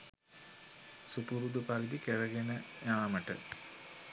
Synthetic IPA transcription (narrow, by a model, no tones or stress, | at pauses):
supuɾud̪upaɾid̪ikeɾəɡenəjaːməʈə̰